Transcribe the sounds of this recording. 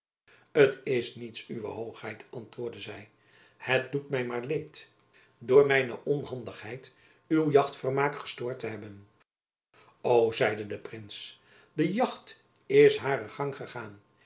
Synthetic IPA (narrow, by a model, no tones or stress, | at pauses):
ətɪsnitsyʋə̰ɦowχhɛjtɑntʋʊːɹdəzɛj | hət̚dutmɛjmaːɹlejt | dʊːɹmɛjnə̰ʔɔnɦɑndəχɦɛjt | ywjɑχtfəɹmaːkχə̥stʊːɹtəɦɛbən | owzɛjdədəprɪns | dəjɑχt | ɪsɦaːɾəχɑŋχəχaːn